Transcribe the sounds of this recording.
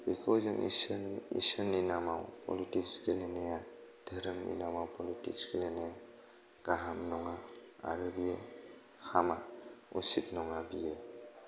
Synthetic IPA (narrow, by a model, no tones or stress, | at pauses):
bikʰowzɔŋisnḭsənːinamawpʰɔ̰litiksɡelenejad̥ʱəɾəmnḭnamawpɔlitḭksɡeleneja | ɡ̥aɦamnɔŋaa̰ɾɯbije | xʰamaṵsip̚nɔŋabije